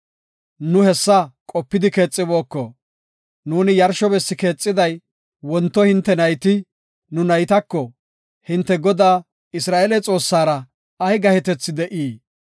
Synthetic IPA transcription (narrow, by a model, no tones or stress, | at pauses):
nʊhɛsːɐkʼɔpːɪd̪ɪke̞ːt͡sʼːɪbo̞ːkːɔ | nuːnɪjɐɾʃɔbɛsːɪke̞ːt͡sʼːɪd̪ɐj | wɔnt̪ːɔhɪnt̪ːɛnɐjt̪ɪ | nʊnɐjt̪ɐkːɔ | hɪnt̪ːɛɡɔd̪aː | ɪsɾaːʔɛlɛt͡sʼo̞ːsːaːɾɐ | ɐjɡɐhɛt̪ɛt͡sːɪd̪ɛʔiː